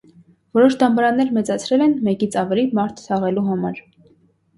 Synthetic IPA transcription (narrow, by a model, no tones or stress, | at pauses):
vɔɾɔʃd̪ɑmbɑɾɑnːɛɾmɛt͡sɑt͡sʰɾɛlɛnmɛkit͡sʰɑvɛlimɑɾt̪ʰsʰɑʁɛluɦɑmɑɾ